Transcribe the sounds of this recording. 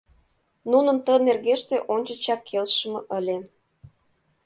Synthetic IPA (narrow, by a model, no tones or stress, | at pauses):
nunə̆nt̪ənerɣeʃt̪eʔonʲt͡ɕə̆t͡ɕɑkʰːelʃə̆mɤ̆ʔəlʲe